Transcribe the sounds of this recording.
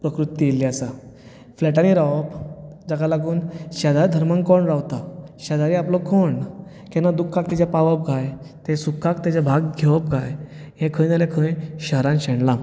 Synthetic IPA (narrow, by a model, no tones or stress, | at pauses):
pɾəkɾut̪ːijeliasa | flɛʈaniɾaʋəpd͡zakalaɡuːnɕad̪aɾd̪ʱəɾmãŋɡkɔɳɾaʋt̪aɕad̪aɾiaplɔkʰɔɳ | kɛ̃nad̪ukʰːak̚t̪ɛt͡ɕapaʋəp̚ɡʱajt̪ẽsukʰːakt̪at͡ɕabʱaɡɡʱeʋəp̚ɡʱajɦẽkʰəjnalekʰə̃j̃ɕəɦɾãnɕəɳla